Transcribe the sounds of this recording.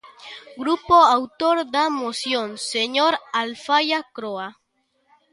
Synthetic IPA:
ɡɾupoawt̪oɾd̪amosjonseɲoɾalfajakɾoa

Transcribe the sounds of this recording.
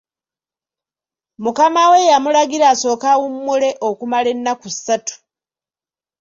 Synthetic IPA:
mukamawe̞jamulaɡiɾaːso̞ːkawumːule̞ʔokumale̞nːakusːatu̥

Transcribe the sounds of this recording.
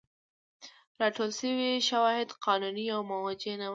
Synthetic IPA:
ɾɑʈolʃəwiʃawɑhɪd̪qɑnuniawmawad͡ʒena

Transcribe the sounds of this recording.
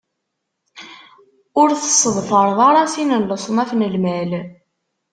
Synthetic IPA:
ʊɾθə̥sˤːəðˤfəɾˤðˤɑɾˤɑsinənləsˤnæfnəlmæl

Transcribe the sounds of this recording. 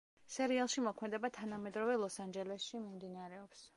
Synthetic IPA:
sɛɾialˠʃimɔkʰmɛd̪ɛbat̪ʰanamɛd̪ɾɔvɛlˠɔsand͡ʒɛlɛsʃimimd̪inaɾɛɔps

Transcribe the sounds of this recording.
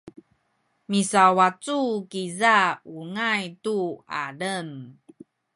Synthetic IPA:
misawat͡sukizauŋajtua̰ɾən

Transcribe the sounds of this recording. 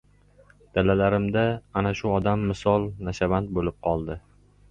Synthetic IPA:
d̪̥alalaɾɪmd̪aːnaʃʊɒd̪amːɪsɒlˠnaʃavand̪̚bolɪp̚qʰɒlˠd̪ɪ

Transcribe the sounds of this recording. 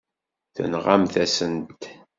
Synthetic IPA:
θə̰nʁamθæsənt̪

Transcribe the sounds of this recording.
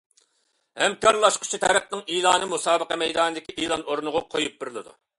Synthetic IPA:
hɛmkɑɾlˠɑʃqʰʊ̥t͡ʃʰit̪ʰæɾæq̚nɨŋiːlˠɑːnɨmusɑːbəqɑmɛjd̪ɑːnɨd̪ɪkʲiʔilˠɑnoɾunʊʁʊqʰojup̚bɪɾɨlˠɨd̪ṵ

